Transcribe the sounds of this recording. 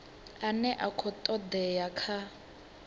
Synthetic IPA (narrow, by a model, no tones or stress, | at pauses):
anɛʔakʰɔt̪ʼɔd̪ɛjakʰa